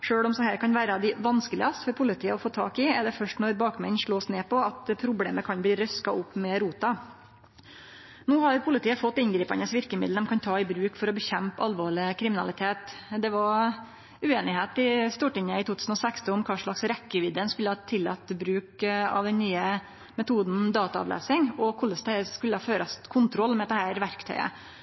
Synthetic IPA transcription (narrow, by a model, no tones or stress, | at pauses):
ʂøːɭɔmsɔhæːɾkʰɑnʋæːɾəd̪ɪʋɑnskəlɪ̰ɑst̪fɔɾpʰʊlɪt̪ʰiːəɔfoːt̪ʰɑ̰ːkɪɛɖɛfœʂʈnɔɾbɑːkmɛ̰nʂɭoːsneːpɔɑt̪pʰɾʊblḛːməkʰɑnbliːɾœskɑʊpːmɛɾuːt̪ɑ | nuːhɑɾpʰʊlɪt̪iːəfɔt̪ːɪnɡɾiːpɑnəsʋɪɾkəmɪ̰d̪lɛmkʰɑnt̪ʰɑːɪbɾʉːkfɔɾɔbəçɛmpɑlʋoːɭɪkʰɾɪmɪnɑ̰lɪt̪ʰeːt̪d̪ɛʋɑɾ | ʉeːnɪheːt̪ɪst̪uːʈɪŋːəɪt̪ʰuːt̪ʉːsn̩ɔsækst̪əʊmkʰɑːʂɭɑksɾɛkːəʋɪd̪əənskʉlːəhɑt̪ʰːɪlːɑ̰t̪ːbɾʉːkɑ̰ʋd̪ɛnnyːə | mɛt̪ʰuːd̪nd̪ɑːt̪ɑɑ̰ʋlḛːsɪŋɔkʰʊlːəsd̪ɛskʉlːəhɑføːɾɑskʰʊnt̪ʰɾɔlːmɛd̪ɛhæːɾʋæɾkt̪ʰœ̰ʏə̰